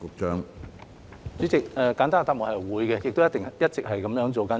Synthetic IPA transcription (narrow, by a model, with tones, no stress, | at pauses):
ʊ˨˧k̚t͡ʃœː˥ŋ | t͡syː˨˥t͡sɪ˨k̚ɛː˨˧kaː˨˥nt̪aː˥ŋt̪aː˧p̚mʊ˨khɐ˨jwuː˨˧jkɛ˧jɪ˨k̚t̪o˥wjɐ˥t̪ɪ˨ŋjɐ˥t̚t͡sɪ˨k̚hɐ˨jkɐ˨˥mjœː˨˧˥ŋt͡so˨wkɐ˥n